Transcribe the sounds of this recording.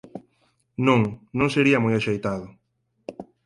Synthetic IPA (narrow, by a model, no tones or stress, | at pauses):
nõŋnõŋseɾiɐmojaʃejt̪aðʊ